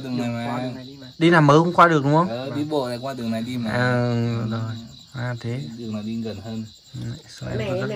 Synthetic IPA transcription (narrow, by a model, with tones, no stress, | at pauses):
t̪ɨ˨˩əŋna˨˩a˨˧˨ɗi˧naː˨˩məː˨˦hʊ̰˧˥ŋ͡mkwaː˧ɗɨ˨˩ək̚ɗʊ˨˦wŋ͡mhə˧wɗi˧˦ɓo̰˧˨la̰˧˩kwaː˧t̪ɨ˨˩əŋna˨˩jɗi˧ma˨˧ʔə˨˩˧zo˨˩j | maː˨˩t̪ʰe˨˦ɗɨ˨˩ək̚na˨˧˦ɗi˧ɣə˨˩nhəː˧n˧˨ | a̰˨˧˨so˧ʔɛ̰˧˩kɔ˨˦zə˦˥